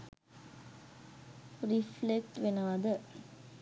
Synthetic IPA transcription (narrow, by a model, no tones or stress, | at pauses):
riflek̚ʈʋenəʋad̪ə